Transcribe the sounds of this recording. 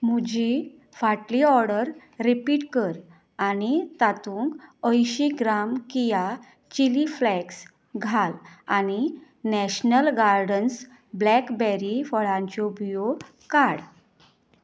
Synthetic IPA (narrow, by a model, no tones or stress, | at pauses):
m̤ud͡ʑi | faʈliɔɾɽəɾː | ipiʈkəɾ | anit̪at̪ũŋkəjɕiɡɾamkija | t͡ɕiliflɛks | ɡʱalañi | nɛɕnəlɡaɾɖəns | blɛkbɛɾifəɭãɲt͡ɕɔbijo | kaɽ